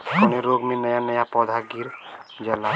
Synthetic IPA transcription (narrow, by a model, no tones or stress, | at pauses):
kɔneɾoɡmẽnəjanəjapɔd̪ʱaɡiɾd͡ʒəla